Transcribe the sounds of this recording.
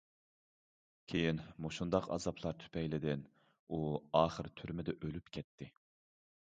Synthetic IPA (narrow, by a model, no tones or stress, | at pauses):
kʲʰejinmoʃund̪ɑqɑ̰zɑpʰlˠɑɾt̪ʰy̥pʰɛjlɪd̪ɪn | uɑːχəɾt̪ʰyɾmɪd̪ɛʔølypkʲʰɛt̪ʰːɪ